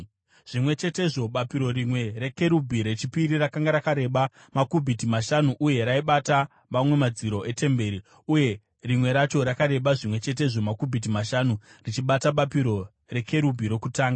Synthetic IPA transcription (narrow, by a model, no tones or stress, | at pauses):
ʐ̥imwe̞t͡ʃe̞te̞ʐo̞ɓapiɾo̞ɾimwe̞ɾe̞ke̞ɾubʱiɾe̞t͡ʃipiɾirakaŋɡaɾakaɾe̞ːɓa | makubʱitimaʃanuʔuje̞ɾaiɓata | mamwe̞mad͡ziɾo̞e̞te̞mbe̞ɾi | uje̞ | rimwe̞ɾat͡ʃo̞ɾakaɾe̞ɓaʐimwe̞t͡ʃe̞t̬e̞ʐo̞makubʱit̬imaʃanurit͡ʃiɓataɓapiɾo̞ | re̞kʰe̞ɾubʱiɾe̞kutaːŋɡa